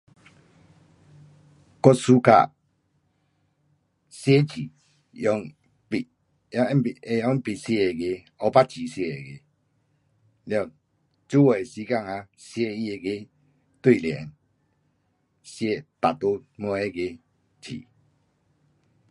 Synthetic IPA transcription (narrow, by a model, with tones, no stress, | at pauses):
kɔ˦su˦ka̰˧˨ | sje˦t͡ɕʰi˨ | ɔ˧˦ŋ | pi˨˦˨ | e˧˨jɔ˦ŋpi˨sje˧e˨ɡe˧ | ɔ˧˦pa˦t͡ɕʰi˨sje˧e˨ɡe˨˦ | ljɔ˧˨ŋ | t͡ɕu˦wɔ˨e˨si˧˦ka˦˨ŋa˧sje˧i˧e˨˧ɡe˦ | t̪wi˦˨ljɛ̰˨˦n | sje˧˦t̪a˨t̪o˦mɔ˧˦e˦ɡe˧ | t͡ɕʰḭ˨